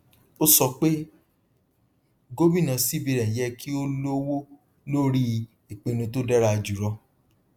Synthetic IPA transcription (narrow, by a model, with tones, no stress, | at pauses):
o˦sɔ˧k͡pe˦ | ɡo˦bĩ˦˨nã˨˧si˦bi˧ɾɛ̃˨jɛ˦ki˦o˦lo˦wo˦ | lo˦ɾi˦ | i˨k͡pe˨˧nũ˧to˦dɛ˦ɾa˦˧d͡ʒu˨ɾɔ˧